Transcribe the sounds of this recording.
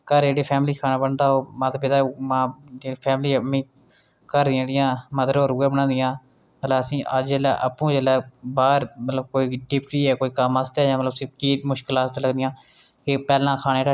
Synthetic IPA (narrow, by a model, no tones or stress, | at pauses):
kəɾd͡ʒeːɽeːpʰɛːmliːkʰaːnãːbəɳd̪aːɦoːmãːt̪aːpɪt̪aːmãːd͡ʒeːiːpʰɛːmliːəmĩː | kəɾd̪ɪjãːɽɪjãːməd̪əɾoːɾuːɛːbənãːnd̪ɪjãː | mət̪ləbəsĩːʔəd͡ʒd͡ʒeːlɛ̰ːʔəpũːd͡ʒeːlɛːbaːɾmət̪ləb̚koːiːɖɪp̚ʈiːɛːkoːiːkəmaːst̪eːjãːmələbəsĩːkiːʈmʊʃkəlaːst̪aːləɡd̪ɪjãː | kepɛːlãːkʰaːnẽːʈa